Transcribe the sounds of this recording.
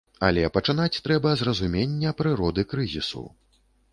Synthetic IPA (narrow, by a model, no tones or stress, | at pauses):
ɐ̰lʲɛpɐt͡ʂɨn̪at͡sʲt̪ɾɛbɐzrɐzumʲenʲːɐpɾɨɾɔd̪ɨkɾɨzʲisṵ